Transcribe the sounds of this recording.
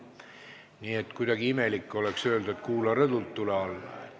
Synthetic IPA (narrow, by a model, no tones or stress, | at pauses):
niːet̪kujd̪ɑɡiimelikːo̞leksøːld̪et̪kuːlɑɾed̪ult̪ːuleɑlːɑ̰